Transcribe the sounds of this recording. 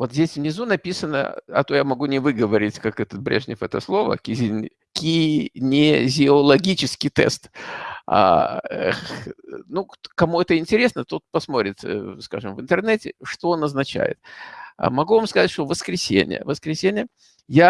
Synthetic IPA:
vo̞t̪zʲdʲesʲvnʲɪzunɐpʲisənə̰ɐ̰t̪ojamɐɡunʲɪvɨɡəvɐɾʲɪtʲkakɛt̪ət̪̚bɾʲeʐnʲɪfɛt̪əslˠo̞və̰kʲɪzʲnʲ | kʲinʲɪzʲɪolˠɐɡʲit͡ɕɪskʲɪjt̪ɛ̰st̪a̰ | nukɐmuɛt̪əɪnʲtʲɪɾʲesnət̪ut̪̚pɐsmo̞ɾʲɪt̪ska̰ʐɨmvɨnt̪ɨrnɛtʲɪʂt̪oonɐznɐt͡ɕæ̰jɪ̰t̪mɐɡuvamskɐzatʲʂt̪ovəskɾʲɪsʲḛnʲɪ̰jə̰vəskɾʲɪsʲenʲɪjə | ja

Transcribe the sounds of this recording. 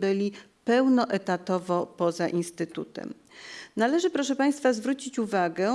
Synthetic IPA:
bɘlʲipɛwnɔʔɛt̪at̪ɔvɔpɔzaʔinst̪ɘt̪ṵt̪ɛ̰m | nalɛʐɘpɾɔʂɛpaj̃st̪fazvɾut͡ɕit͡ɕuvaɡɛ

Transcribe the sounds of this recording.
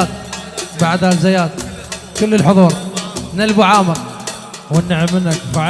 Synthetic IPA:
t̪̚baʕd̪hazajaːd̪̚kɪlːɪlħʊðˤuːɾˤnalbuʕaːmak | wɪnːɪʕɪmːɪnːakfaʕ

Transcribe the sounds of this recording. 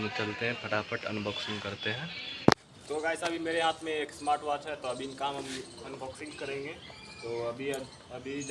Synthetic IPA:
mt͡ʃɐlt̪eɦɛ̃pʰɐʈapʰəʈɐ̰nbɔːksɪ̃ŋɡkɐɾt̪eɦɛ̃ː | t̪oɡaːɪsabʱimeːɾeɦaːt̪ʰmẽeːksmaːɾʈʋaːʈɦɛt̪oɐbʱinkaːmɦɐmɐnbɔːksɪ̃ŋɡkɐɾẽːŋɡeː | t̪oːɐbʱi | ɐbʱid͡ʒ

